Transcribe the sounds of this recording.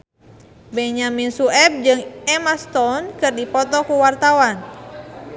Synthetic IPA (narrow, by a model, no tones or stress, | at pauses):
bɛɲaminsuɛb̚d͡ʒɨŋɛmast̪ɔnkɨrdipɔt̪ɔkuwart̪awan